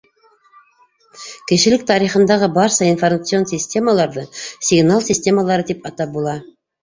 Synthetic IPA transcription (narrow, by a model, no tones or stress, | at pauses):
kɘ̆ʃɘ̆lɘk̚t̪ɑɾiχɤ̆nd̪ɑʁɤbɑɾsɑinformat̪sɨo̞nsʲɪsʲtʲe̞məlˠɑɾðɤsʲɪɡnalˠsʲɪsʲtʲe̞məlˠɑɾɤt̪ipɑt̪ɑp̚bulˠɑ